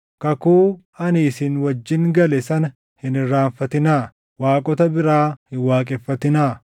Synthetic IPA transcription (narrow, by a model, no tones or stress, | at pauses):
kɐkuː | ɐniːsɪnwɐd͡ʒːɪŋɡɐlɛsɐnɐ | hɪnɪrːaːnfɐt̪ɪnaː | waːkʼɔt̪ɐbɪɾaːhɪwaːkʼɛfːɐt̪ɪnaː